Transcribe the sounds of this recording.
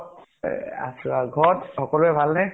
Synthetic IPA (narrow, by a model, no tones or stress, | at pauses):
a̰suaɡʱɔtxɔkɔlʊɛbʱalnɛ